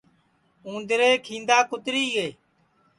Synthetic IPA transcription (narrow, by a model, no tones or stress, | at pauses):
ũːnd̪ɾeːkʰĩːnd̪aːkʊt̪ɾiːɦeː